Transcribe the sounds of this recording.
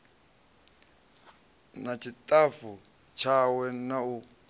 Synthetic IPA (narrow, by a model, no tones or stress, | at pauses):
nat͡ʃʰitʼafu | t͡ʃʰawɛnau